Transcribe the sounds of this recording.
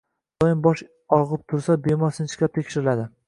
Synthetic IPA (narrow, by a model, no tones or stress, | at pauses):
d̪̥ɒjɪnbɒʃ | ɒʁɨp̚t̪ʰʊɾsabe̞mɒɾsɪnt͡ʃʰɪ̥kʲap̚t̪ʰekʲʃɪɾɪlad̪ɪ